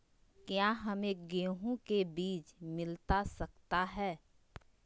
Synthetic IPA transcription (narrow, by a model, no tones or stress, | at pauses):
kjaːɦɐmẽɡeːɦõkebiːt͡ʃmɪlt̪asɐk̚t̪aɦɛː